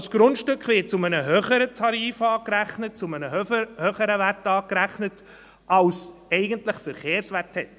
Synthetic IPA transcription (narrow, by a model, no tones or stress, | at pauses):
sɡ̥ɾʊntʃtʏkχʋɪt̚t͡sʊmənəɦøχəɾətʰɑɾiːfɑːkɾæχnət̚t͡sʊmənəhøχəɾəvætɑːkɾæχnət | ɑlsɛɪɡəntlɪχfɛɾχeːɾsʋæthɛt